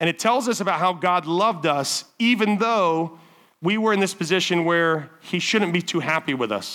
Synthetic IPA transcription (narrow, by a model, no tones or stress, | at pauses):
ɨ̃ɾ̃ɨtʰɛlˠzʌsəbaʊt̚ɦaʊɡɑdˡlʌvdʌsivɨ̃nðoʊ | wiwə˞ɨ̃nðɪspʰɨzɪʃɨ̃nwə˞iʃʊdⁿn̩b̥itʰʉɦæpiwɪðʌ̰s